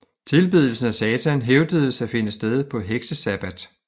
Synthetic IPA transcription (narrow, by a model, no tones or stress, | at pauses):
t͡sʰe̝lb̥ið̞ˠl̩sn̩æsɛːt͡sʰænɦeʊd̥əð̩ˠəsæfe̝nəsd̥eð̞ˠpʰɒ̽ɦeɡ̥səsæb̥æd̥